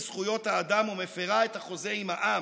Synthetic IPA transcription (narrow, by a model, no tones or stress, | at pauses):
z̥χujo̞thaːd̪amumefeʁae̞t̪haχo̞ze̞imaʔa